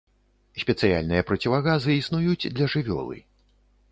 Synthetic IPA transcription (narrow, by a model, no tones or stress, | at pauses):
sʲpʲɛt̪sɨja̰lʲnɨjɐpɾɐt͡sʲivaɣazɨisnujud͡zʲd̪lʲɐʐɨvʲɔ̰lˠɨ̰